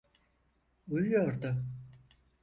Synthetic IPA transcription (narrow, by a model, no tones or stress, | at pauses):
ujujo̞ɾd̪ʊ